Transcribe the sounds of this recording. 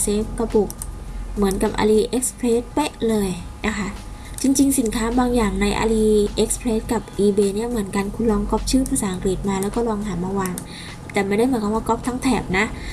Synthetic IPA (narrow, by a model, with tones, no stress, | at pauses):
seː˦˥p̚ka˧pu˨˩k̚mɯ˩˦nka˨˩p̚ʔa̰˧liː˧ʔe˦˥k̚spʰleː˦˥t̪̚pe˦˥ʔlɤː˧jna˦˥kʰa˦˥ | t͡ɕi˧ŋt͡ɕi˧ŋsi˩˦nkʰaː˦˥baː˧ŋjaː˨˩ŋna˧jʔa̰˧liː˧ʔe˦˥k̚spʰleː˦˥t̪̚ka˨˩p̚ʔiː˧beː˧ni˥˩ɐmɯ˩˦ənka˧nkʰu˧nlɔː˧ŋkɔː˦˥˩p̚t͡ɕʰɯː˥˩pʰaː˧saː˩˦ʔa˧ŋkli˨˩t̪̚maː˧lɛː˦˥wkɔː˥˩lɔː˧ŋɦaː˩˦maː˧waː˧ŋ | t̪ɛː˨˩ma˦˥˩jda˥˩jmɯ˩˦ka˧˩waː˧˥˩kɔ˦˥p̚t̪ʰa˦˥ŋt̪ʰɛː˨˩p̚na˦˥ʔ